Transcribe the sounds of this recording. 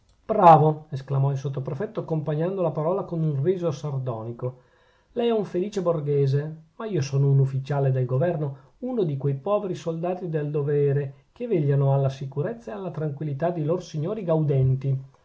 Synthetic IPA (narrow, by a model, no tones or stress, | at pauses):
b̥ɾaːvoesklamɔilsot̪ːopɾefɛt̪ːoakːompaɲːand̪olapaɾɔːlakonunriːzosard̪ɔːniko | lɛjɛuɱfeliːt͡ʃeborɡɛːzemaiːosoːnounufːit͡ʃaːled̪elɡovɛrno | unod̪ikwejpɔːveɾisold̪aːt̪id̪eld̪ovɛːɾekeveʎːanoalːasikuɾet̪sːaealːat̪ɾaŋkwilːit̪ad̪iloɾosiɲːoːɾiɡawd̪ɛnt̪i